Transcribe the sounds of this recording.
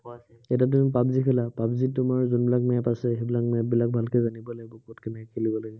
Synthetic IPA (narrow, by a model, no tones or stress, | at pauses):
ɛtat̬umipapzikʰɛlapapzitːʊmaɹzunbilakmɛpasɛɦebilak̚mɛbilak̚bʱalkɛzanibɔlaɡɛbɔkotkɛmɛkʰelibɔlaɡɛ